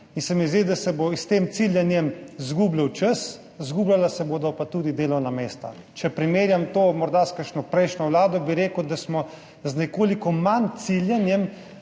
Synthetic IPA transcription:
insɛmizd̪id̪asɛbost̪eːmt̪siljanjɛmzɡuːbləwt͡ʃəs | zɡuːblalasɛbod̪ɔpat̪ud̪id̪eːlɔwnameːst̪a̰ | t͡ʃɛpɾimeːɾjamt̪oːmɔɾd̪askəʃnɔpɾɛjʃnʲɔwlaːd̪ɔbiɾeːkud̪asmɔ | znɛkoːlikɔmant̪siljanjɛm

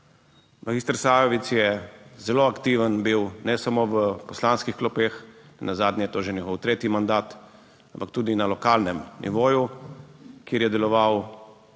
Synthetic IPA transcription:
maɡiːst̪əɾsaːjɔʋit̪sjɛzɛloakt̪iʋənbiwnɛsamoʋəpɔslaːnskixklɔpeːxnɛnazaːd̪nʲɛjɛt̪oːʒenʲɛɣɔwt̪ɾeːt̪jimand̪aːt̪ | ampak̚t̪uːd̪inalɔkalnɛmnʔḭʋoːju | kjeːɾjɛd̪ɛlɔʋaw

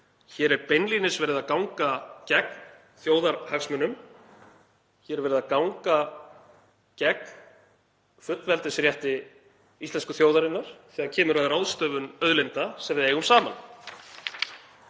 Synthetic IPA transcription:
çɛːɾɛɾpɛjnlinɪsvɛɾɪðakawŋkacɛkn | θjoːwðaɾhaksmɛnːʏm | çɛɾvɛːɾɪðakawŋka | cɛk | fʏt̪lvɛlt̪ɪsɾjɛht̪ɪ | ist̪lɛnskʏθjoːwðaɾɪnːaɾ̥θɛːɣacʰɛːmʏɾaðrawðst̪œːvʏnœðlɪnt̪asɛmvɪðeːjɣʏmsaːman

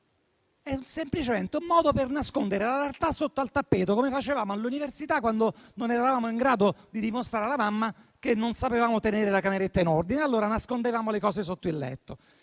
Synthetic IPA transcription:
ɛunsemplit͡ʃement̪eumːɔːd̪opernaskond̪eɾelalart̪asot̪ːoalt̪apːeːt̪okomefat͡ʃevaːmoneluniversit̪akːwand̪ononɛɾaavaːmoiŋɡɾaːd̪od̪id̪imost̪ɾaːɾelamamːakenːonsapevaːmot̪eneːɾelakameɾet̪ːainord̪inealːoːɾanaskond̪evaːmolekɔːsesot̪ːoilːɛ̰t̪ːo

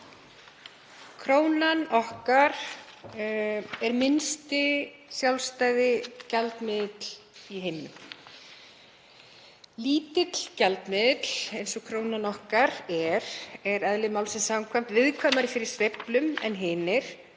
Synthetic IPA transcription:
kʰɾoːwnanɔhkaɾ̥ | ɛɾmɪnst̪ɪ | sjawlst̪aːjðɪcɛlt̪mɪðɪt̪l | iɦɪnːʏ | liːt̪ɪt̪l̥cɛlt̪mɪðɪt̪lejnsɔkʰɾoːwnanɔhkaɾɛɾɛɾɛðlɪmawlsɛmsamkʰajm̥t̪vɪðkʰvaːmaɾɪfɪɾɪɾ̥sveplʏmɛ̰nɦɪːnɪɾ̥

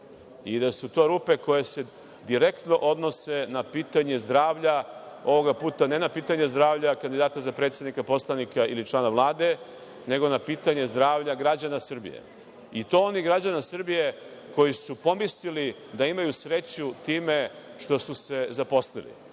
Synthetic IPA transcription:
id̪asut̪o̞ɾuːpe̞ko̞jese̞ | d̪iɾe̞kt̪no̞ʔo̞d̪no̞senapiːt̪aɲe̞zd̪ɾaːʋʎa | o̞ʋo̞ɡapuːt̪ane̞napiːt̪aɲe̞zd̪ɾaːʋʎakand̪id̪aːt̪azapɾet̪sjed̪nikapo̞slˠanikailit͡ʃlˠaːnaʋlˠaːd̪e̞ | ne̞ɡo̞napiːt̪aɲe̞zd̪ɾaːʋʎaɡɾad͡ʑanasr̩bḭjḛ | it̪o̞o̞niɡɾad͡ʑanasr̩bije̞ | ko̞jisupo̞mislili | d̪aimajusɾe̞t͡ɕut̪iːme̞ | ʃt̪o̞suse̞zapo̞slḭlḭ

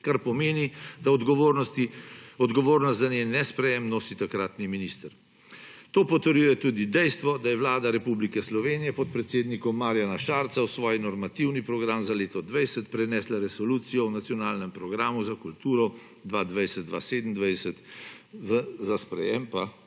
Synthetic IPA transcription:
kaɾpɔmeːnid̪̥aɔd̪ɡoɾnɔt̪iɔd̪ɡɔʋoːɾnɔst̪zanenɛspɾɛjɛmnoːsit̪akɾaːt̪niminist̪əɾ | t̪oːpɔt̪əɾjuːjɛt̪uːd̪id̪ɛjst̪ʋɔd̪ajɛʋlaːd̪aɾɛpublikɛslɔʋeːnijɛpɔt̪pɾɛt̪seːd̪nikɔmːaːɾjanaʃaːɾt̪sawsʋɔːjinɔɾmat̪iwnipɾɔɡɾamzaleːt̪ɔd̪ʋɛjsɛt̪pɾɛnɛːslaɾɛsɔluːt̪sijɔwnat̪sijɔnaːlnɛmpɾɔɡɾaːmuzakult̪uːɾɔ | d̪ʋad̪ʋɛjsɛt̪̚d̪ʋa̰seːd̪n̩d̪ʋɛjsɛt̪ʋəzaspɾɛ̰jɛmpa

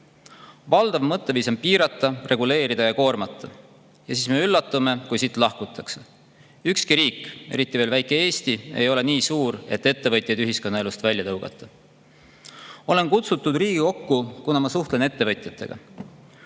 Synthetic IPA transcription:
vɑld̪̥ɑvmɤt̪ːe̞viːso̞mpiːɾɑt̪ːˑɑre̞ɡule̞ːɾid̪ɑjɑko̞ːrmɑt̪ːˑɑ | jɑsiːsme̞ylːɑt̪ːˑume̞kujsit̪ːˑlɑhkut̪ʰːˑɑkse̞̥ | ykskiɾiːkːˑe̞̰ɾit̪ˑːive̞ːlvæjkːˑe̞e̞ːst̪ie̞̰jo̞le̞niːsuːɾe̞t̪ːˑe̞t̪ːe̞vɤjt̪ʲˑjɑjd̪yɦiskonːɑe̞lust̪vælʲjɑt̪ɤwɡ̥ɑ̰t̪ˑːɑ | o̞le̞nkut̪sut̪ːˑud̪riːɡ̥iko̞kːukunɑmɑsuht̪lene̞t̪ːe̞vɤt̪ʲˑjɑt̪ːˑe̞̰ɡ̥ɑ̰

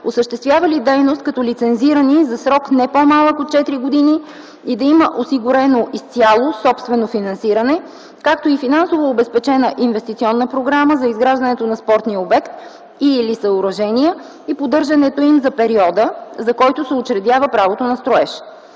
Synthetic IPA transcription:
osəʃt̪ɛst̪vʲjavɐlid̪ɛjnost̪̚kɐt̪ɔlit̪sɛnziɾənizɐsɾɔknɛpomalˠəkot̪̚t͡ʃɛt̪iɾiɡod̪ini | id̪ɐiməʔosiɡʊɾɛnoʔist̪sijalˠosɔpst̪vɛnofinɐnsiɾənɛ | kakt̪oifinãnsovoːbɛspɛt͡ʃɛnəʔinvɛst̪it̪sʲiɔnːəpɾoɡɾaməzɐizɡɾaʒd̪ɐnɛt̪onɐspɔɾt̪niəobɛkt̪ | ilisəʊɾɐʒɛniə | ipod̪ɤɾʒɐnɛt̪oimzɐpɛɾiɔd̪əzɐkɔjt̪ʊsɛot͡ʃɾɛd̪javəpɾavot̪onɐst̪ɾoɛʃ

